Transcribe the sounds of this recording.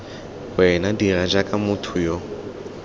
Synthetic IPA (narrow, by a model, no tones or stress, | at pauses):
wɛnadirad͡ʒakʼamutʰujɔ